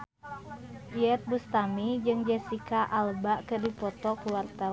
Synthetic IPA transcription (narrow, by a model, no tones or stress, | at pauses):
iɛt̪̚bust̪amid͡ʒɨŋd͡ʒɛsikaʔalbaʔkɨrdipɔt̪ɔkuwart̪a